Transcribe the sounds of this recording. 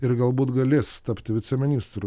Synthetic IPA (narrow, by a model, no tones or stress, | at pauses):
ɪɾɡɐlˠbuːt̪ɡɐlʲeːsst̪ɐpʲt̪ʲɪʋʲɪt̪sʲɛmʲɪnʲiːst̪ɾu